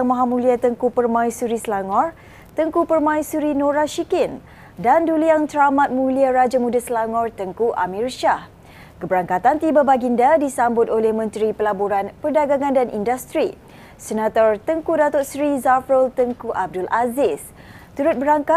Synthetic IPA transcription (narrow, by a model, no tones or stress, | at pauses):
ŋmaɦamũliat̪əŋkupərmãisuɾisəlaŋɔr | t̪əŋkupərmãĩsuɾinõɾaʃikɪn | danduliaŋt̪ɾamãt̪̚mũliaɾad͡ʒamũdasəlaŋɔrt̪əŋkuʔa̰mirʃah | kəbəɾaŋkat̪ant̪ibabaɡindadisambʊt̪olɛhmə̃nt̪ɾipəlaboɾanpərdaɡaŋãndanʔḭndast̪ɾi | sənat̪ɔrt̪əŋkudat̪ʊt̪̚sɾizafɾəlt̪əŋkuʔab̚dʊlʔazɪs | t̪uɾʊt̪̚bəɾaŋka